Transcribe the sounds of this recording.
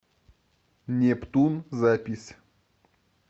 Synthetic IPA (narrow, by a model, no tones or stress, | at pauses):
nʲept̪unzapʲisʲ